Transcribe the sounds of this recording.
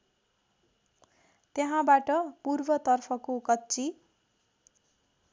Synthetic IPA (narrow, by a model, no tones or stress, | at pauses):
t̪jeɦãbaʈʌpurbʌt̪ʌrpʰʌkokʌtːt͡si